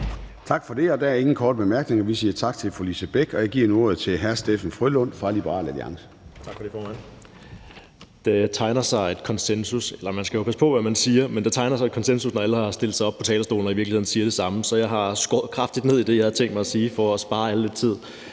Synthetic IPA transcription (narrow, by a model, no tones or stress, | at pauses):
t͡sʰɑ̈ɡ̥fɒ̽d̥e̝ɒ̽d̥ææɐe̝ŋn̩kʰɒːd̥̚b̥emæɐɡ̥ne̝ŋɒʋisiːɐt͡sʰɑ̈ɡ̥t͡sʰe̝lfolisəb̥eɡ̥ɒjäɪɡ̥iɐ̰nuo̝ɐð̞̩ˠt͡sʰe̝lɦæɐsd̥efn̩fʁylɔn̰fʁɑ̈lib̥ʁɑ̈ːlæliɑ̈ŋsə̥ | t͡sʰɑ̈ɡ̥fɒɾ̥e̝fɒːmæn̰ | d̥et͡sʰɑ̈ɪnɐsɑ̈ɪed̥̚kʰɒ̽nsensuselɐmænsɡ̥æjo̝pʰæsəpʰɒ̽ʋæmænsiːɐmend̥t͡sʰɑ̈ɪnɐsɑɪed̥kʰɒ̽nsensusnɒælhɑ̈sd̥e̝l̰d̥sɑ̈ɪɒb̥̚pʰɒ̽t͡sʰɛ̰ːlɐsd̥o̝̰ːln̩ɒ̽iʋiɐɡ̥lihe̝n̩siːɐɾ̥e̝sɑ̈məsɒ̽jɑ̈ɪɦɑ̈sɡ̥ɒːð̩ˠkʰʁɑ̈fd̥id̥ne̝ð̰ˠid̥e̝jɑ̈ɪhɑ̈t͡sʰeŋ̰d̥mɑɪæsiːfɒ̽ːsb̥ɑ̈ːæləled̥̚t͡sʰið̞̰ˠ